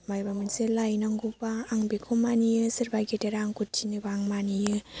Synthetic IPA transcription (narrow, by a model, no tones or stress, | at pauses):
majbamɯnselajnaŋɡupaːŋbikʰomanijɯsɯɾbajɡeteɾaŋkutʰːinibaŋmanijɯ